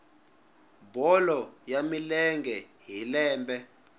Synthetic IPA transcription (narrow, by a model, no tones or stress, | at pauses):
bɔlɔjamilɛŋɡɛɦilɛːmbɛ